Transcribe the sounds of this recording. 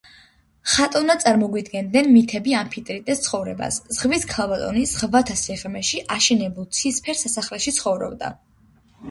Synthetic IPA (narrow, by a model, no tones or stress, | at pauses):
χat̪ʼɔvnadt̪sʼaɾmɔɡwid̪ɡɛnd̪nɛnmit̪ʰɛbiampʰit̪ʼɾit̪ʼɛst̪sʰχɔvɾɛ̰ba̰szʁviskʰalˠbat̪ʼɔ̰niz̥ʁvat̪ʰasiʁmɛʃiʔaʃɛnɛbulˠt̪sʰispʰɛɾsasaχlɛʃit̪sʰχɔvɾɔ̰bd̪a̰